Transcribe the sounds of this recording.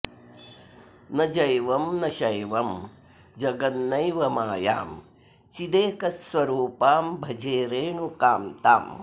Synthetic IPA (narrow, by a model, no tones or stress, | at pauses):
nɐd͡ʒɐjʋɐmnɐʃɐjʋɐm | d͡ʒɐɡɐnnɐjʋɐmaːja̰ːm | t͡ʃid̪eːkɐsʋɐɾuːpaːmbʱɐd͡ʒeːɾeːɳukaːmt̪a̰ːm